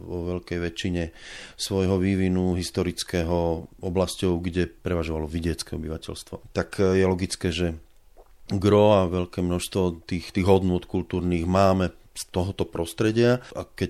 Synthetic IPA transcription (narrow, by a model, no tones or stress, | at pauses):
ʋɔʋɛʎkɛjʋɛt͡ʃːiɲɛsʋɔjɦɔʋiːʋinuɦist̪ɔɾit͡skɛːɦɔɔblascɔʊɡɟɛpɾɛʋaʒɔʋalɔʋiɟɪɛt͡skɛɔbiʋacɛ̰lst̪ʋɔt̪akjɛlɔɡit͡skɛːʒɛ | ɡɾɔaʋɛʎkɛːmnɔʃst̪ʋɔt̪iːxt̪iːɣɦɔd̪nʊɔt̪kult̪uːɾniːɣmaːmɛ | st̪ɔɦɔt̪ɔpɾɔst̪ɾɛɟɪakɛc